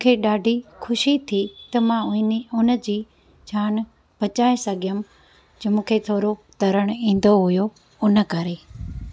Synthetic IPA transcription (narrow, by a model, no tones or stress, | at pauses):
m̃ːkʰeɗaːɖʱikʰʊʃit̪ʰit̪ɐmãʊnə̆d͡ʑiː | d͡ʑʱaːn | bʱɐt͡ɕaːesɐɡʱɪjəm | d͡ʑmũːkʰet̪ʰoːɾot̪ɐɾəɽ̃ĩːn̆d̪oɦʊjo | ʊnə̆kɐɾeː